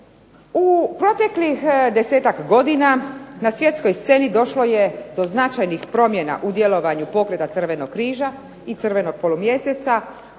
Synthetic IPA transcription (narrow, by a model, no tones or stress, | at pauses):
upɾo̞t̪e̞klixd̪e̞seːt̪akɡo̞d̪inanasʋje̞t̪sko̞jst̪se̞nid̪o̞ʃlo̞jed̪o̞znat͡ʃajnixpɾo̞mjena̰ʔud̪jelo̞ʋaɲupo̞kɾe̞t̪at̪r̩ʋe̞no̞kkːɾiːʒa | it̪sr̩ʋe̞no̞ɡ̚polumje̞set̪sa